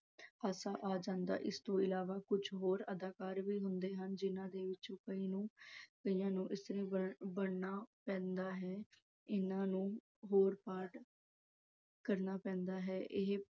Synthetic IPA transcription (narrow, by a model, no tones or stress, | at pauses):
aːsaːʔaːd͡ʒãːnd̪a̰ːʔɪst̪õːɪlaːʋaːkʊd͡ʒʰɦoːɾəd̪aːkaːɾʋiːɦʊnd̪eːɦənd͡ʒɪnãːd̪eːʋɪt͡ʃõːkəiːnũːkəijãːnũːʔɪst̪əɾẽːəbəɽnaːpɛ̃ːnd̪aːɦɛː | ɪnãːnũː | ɦoːɾpaːɾʈ | kəɾnaːpɛ̃ːnd̪aːɦɛːʔɪɦ